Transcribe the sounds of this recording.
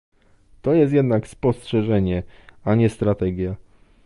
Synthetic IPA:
t̪ɔjɛst̪̬jɛd̪nakspɔstʂɛʐɛɲɛaɲɛst̪ɾat̪ɛɡʲja

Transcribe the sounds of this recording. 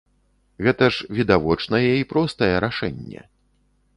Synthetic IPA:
ɣɛt̪ɐʂvʲid̪avɔt͡ʂnɐjɛipɾɔst̪ɐjɛɾaʂɛ̰nʲːɛ̰

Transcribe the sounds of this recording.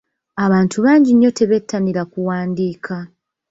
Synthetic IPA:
aβaːntʰuβaːɲɟiɲːo̞te̞βe̞tʰːaniɾakuwaːndiːkʰa

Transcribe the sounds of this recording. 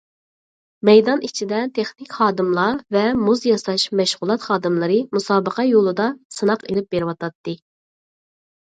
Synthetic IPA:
mɛjd̪ɑnit͡ʃʰid̪ɛt̪ʰeχnɪkʲχɑːd̪ɨmlˠɑvɛmuzjɑsɑʃmɛʃʁʊlˠɑt̪χɑːd̪ɨmlˠɨɾɨmusɑːbəqʰɑjolˠɨd̪ɑsɨnɑqelɪp̚beɾɪwɑt̪ʰɑt̪ːɨ

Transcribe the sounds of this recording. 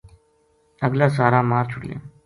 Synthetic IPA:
əɡlaːsaːɾaːmaːɾt͡ʃʰʊɽlḛː

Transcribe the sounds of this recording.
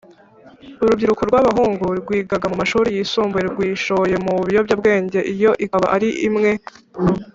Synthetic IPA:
uɾubɟiɾukuɾɡwaβaɦuːŋɡuɾɡwiːɡaɡamumaʃuːɾijisuːmbujeɾɡwiːʃo̞je̞muβijo̞bjabɡe̞ːɲɟe̞ʔijo̞ʔikaβa̰ʔaɾiʔimŋe̞

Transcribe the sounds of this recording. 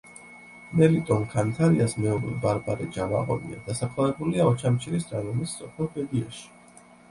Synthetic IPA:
mɛlit̪ʼɔnkʰant̪ʰaɾiasmɛɔɾɛbaɾbaɾid͡ʒava̰ʁɔ̰nḭa̰d̪̥asakʰlavɛbuliaɔt͡ʃʰamt͡ʃʰiɾisɾanɔmist̪sʼɔpʰɛlˠbɛd̪iaʃi̥

